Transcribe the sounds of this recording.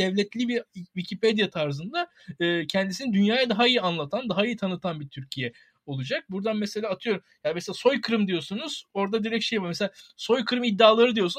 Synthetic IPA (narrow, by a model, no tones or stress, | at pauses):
d̪̥ɛvlʲɛt̪lʲibivicʰipe̞d̪jat̪ʰaɾzɯnd̪a | ɯːcʰɛnd̪isinid̪ynjaːjad̪aɦaijianlˠat̪ʰand̪aɦaijit̪ʰanɯt̪ʰanbit̪ʰyɾcʰijɛ | o̞lˠud͡ʒak̚buɾd̪anmese̞lʲaːt̪ʰɯjo̞ɾumjameselʲaːso̞jkʰɯɾɯmd̪ijo̞sunuz̥o̞ɾd̪ad̪iɾɛcʃe̞jvaɾmeselʲaso̞jkʰɯɾɯmid̪ːaːlˠaɾɯd̪ijo̞sun